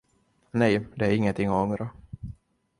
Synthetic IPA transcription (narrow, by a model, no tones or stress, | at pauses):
nɛjd̪ɛæɾɪŋːənt̪ʰɪŋːɔɔŋɾa